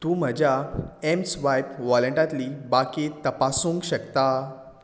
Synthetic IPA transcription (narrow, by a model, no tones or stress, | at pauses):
t̪ũːm̤əd͡ʑjaemsʋajpʋɔləɳʈat̪liːbakit̪əpasũːŋkɕəkt̪a